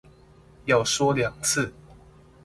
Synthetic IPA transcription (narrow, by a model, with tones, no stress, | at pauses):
jɑ˥˨ʊʂwɔ˥ljɑ˨˩ŋt͡s̩ʰ˥˨